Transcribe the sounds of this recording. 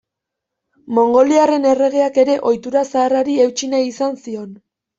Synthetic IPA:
mo̞ŋɡo̞liare̞ne̞re̞ɣ̞e̞ake̞ɾe̞ʔo̞jt̪uɾasaːraɾie̞wt͡ʃinajisansio̞n

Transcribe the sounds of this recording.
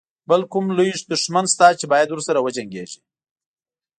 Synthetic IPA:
bəlkʊmlujʂd̪ʊʂmanst̪ɑt͡ʃebɑjad̪wʊɾsaɾawəd͡ʒaŋɡeʒi

